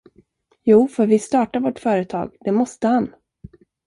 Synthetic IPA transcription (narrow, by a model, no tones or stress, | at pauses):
juːfœɾvɪst̪ɑːʈaɾvoʈfœːɾət̪ʰɑ̰ːɡd̪ɛmɔst̪əhan